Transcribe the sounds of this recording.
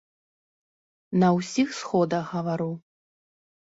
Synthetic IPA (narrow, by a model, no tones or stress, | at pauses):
nɐwsʲixsxɔd̪ɐxɣɐvaɾu